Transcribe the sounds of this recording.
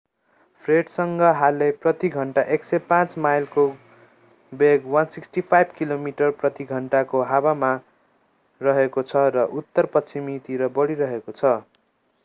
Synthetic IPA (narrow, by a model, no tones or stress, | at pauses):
pʰreʈsʌŋɡʌɦalːeprʌt̪iɡʱʌɳʈaʔeksʌpãt͡smajlko | beɡwʌnsiksʈipʰajbʱkilomiʈʌrprʌt̪iɡʱʌɳʈakoɦawama | rʌɦekot͡sʰʌrʌʔut̪ːʌrpʌt͡sʰimit̪iɾʌbʌɽiɾʌɦekot͡sʰʌ